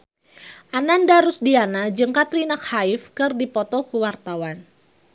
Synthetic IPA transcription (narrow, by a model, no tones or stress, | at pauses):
ʔanandaɾusdianad͡ʒəŋkat̪rinakhaɪfkɨrdipɔt̪ɔkuwart̪awan